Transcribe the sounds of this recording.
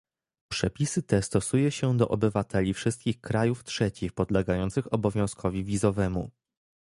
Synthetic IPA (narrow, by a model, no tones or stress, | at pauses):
pʂɛpʲisɘt̪ɛst̪ɔsujɛɕɛd̪ɔ̰ʔɔbɘvat̪ɛlʲifʂɘst̪̚kʲixkɾajuftʂɛt͡ɕixpɔd̪lɛɡajɔnt̪sɘxɔbɔvʲjɔ̃w̃skʰɔvʲivʲizɔvɛmṵ